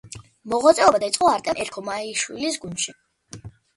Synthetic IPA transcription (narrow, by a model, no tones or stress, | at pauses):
mɔʁwat̪sʼɛɔbad̪aisʼɔaɾt̪ʼɛmʔɛɾkʰɔmaiʃwḭlisɡund̪ʃi